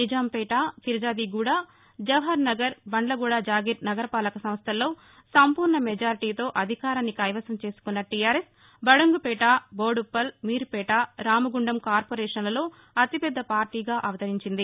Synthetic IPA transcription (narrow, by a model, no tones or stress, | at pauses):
nid͡ʒaːmpɛːʈaːkiɾɐd͡ʒaːd̪iːɡuːɽaː | d͡ʒɐʋɦɐɾnɐɡɐɾbɐɳɖlɐɡuːɽaːd͡ʒaːɡiɾnɐɡɐɾɐpaːlɐkɐsɐmɐst̪ʰɐlːo̞ː | sɐmpuːɾɳɐmɛd͡ʒaːɾiʈiːt̪o̞ːʔɐd̪ʱikaːɾɐnːikɐːjʋɐsɐmt͡ʃe̞ːsu̥kunːɐʈijaːɾes | bɐɽɐŋɡupɛːʈaːboːɽupːɐlmiːɾpɛːʈaːɾaːmɐɡuɳɖɐmkaːɾpoːɾɛːʂɐnlɐlo̞ː | ɐt̪ipɛd̪ːɐpaːɾʈiːɡaːʔɐʋɐt̪ɐɾiɲt͡ʃind̪i